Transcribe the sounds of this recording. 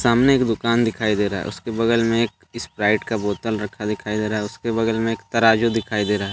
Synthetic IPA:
saːmneeːkd̪ʊkaːnd̪ɪkʰaːid̪eːɾaɦɛ̰ʊ̰skebɐɡəlmẽeːk | ɪspɾaːɪʈkaboːt̪əlɾɐkʰad̪ɪkʰaːid̪eːɾaɦɛʊskebɐɡəlmẽeːkt̪ɐɾaːd͡ʒod̪ɪkʰaːid̪eːɾaːɦɛː

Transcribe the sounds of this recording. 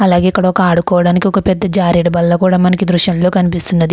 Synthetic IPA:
ɐlaːɡeːikːɐɽɐɔkɐaːɽukɔːʋɐɽaːnikiɔkɐpɛd̪ːɐd͡ʒaːɾiɽɐbɐlːɐkuːɽaːmɐnɐkid̪ɾuʃjɐmlo̞ːkɐnipist̪unːɐd̪i

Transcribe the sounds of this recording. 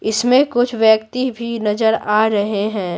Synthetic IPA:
ɪsmẽkʊt͡ʃʰʋjəkt̪ibʱinɐzəɾaːɾɐɦeɦɛ̃ː

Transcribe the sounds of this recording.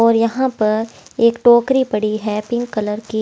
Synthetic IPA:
ɔːɾjɐɦãpɐɾeːkʈoːkɾipɐɽiɦɛːpɪ̃ŋɡkɐləɾki

